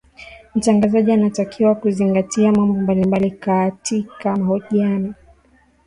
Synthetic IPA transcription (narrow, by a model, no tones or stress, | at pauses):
m̩t͡ʃaŋɡazaʄianatakʰiwakuziŋɡatiamambɔmbalimbalikatʰikamahɔʄiani